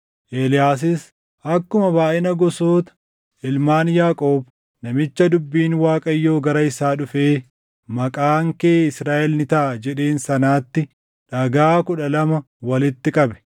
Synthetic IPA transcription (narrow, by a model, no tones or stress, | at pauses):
ʔeːlɪjaːs̬ɪs | ʔɐkːʊmɐbaːʔɪnɐɡɔsoːt̪ɐ̥ | ɪlmaːnjaːkʼoːb | nɐmɪt͡ʃːɐd̪ʊbːiːnwaːkʼɐjːoːɡɐɾɐɪsaːᶑʊfe̞ː | mɐkʼaːŋkeːɪsɾaːʔɛlnɪt̪ɐʔɐd͡ʒɛᶑe̞ːnsɐnaːt̪ːɪ | ᶑɐɡaːkʊᶑɐlɐmɐ | wɐlɪt̪ːɪkʼɐbɛ̥